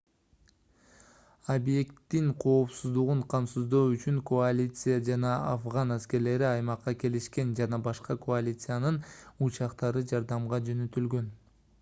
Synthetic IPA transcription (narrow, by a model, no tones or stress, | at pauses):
abje̞kt̪ːiŋqʰo̞ːpsuzd̪uʁuɴqʰɑmsuzd̪o̞ːyt͡ʃyŋkʰoalʲit̪sɨjad͡ʒɑnɑɑfʁɑnæske̞ɾle̞ɾiɑjmɑqːɑke̞liʃke̞nd͡ʒɑnɑbɑʃqɑkʰoalʲit̪sɨjanɯnut͡ʃɑqt̪ɑɾɯd͡ʒɑɾd̪ɑmʁɑd͡ʒø̞nø̞t̪ylɡø̞n